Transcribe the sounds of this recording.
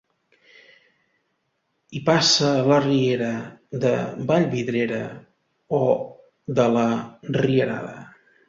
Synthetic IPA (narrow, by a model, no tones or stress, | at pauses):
ipasələrieɾəðəbaʎβiðɾeɾə | o | ðələriəɾa̰ðə̰